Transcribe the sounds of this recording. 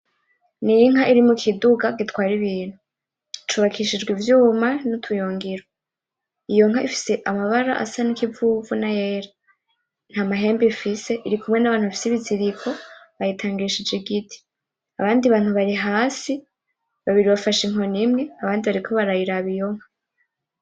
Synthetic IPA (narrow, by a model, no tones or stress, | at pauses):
niiŋ̥haʔiɾimukʰiduɡaɡitwaːɾiβiːn̥hu | t͡ʃuβakʰiʃid͡ʒɡwivjuːmanutʰujoːŋɡiɾo | ijo̞ŋ̥haʔifi̥se̞ʔamaβaɾa̰ʔa̰sanikivuvunajeːɾa | n̥hamaɦe̞ːmbifise̞ʔiɾikumŋe̞naβaːnuβafi̥siβiziɾikʰo̞βajitʰaːŋɡiʃid͡ʒeɡitʰi̥ | a̰βaːndiβaːn̥huβaɾiɦaːsi | βaβiɾiβafaʃiŋɦo̞nimŋe̞aβaːndiβaɾikʰo̞βaɾajiɾaβijo̞ŋ̥ha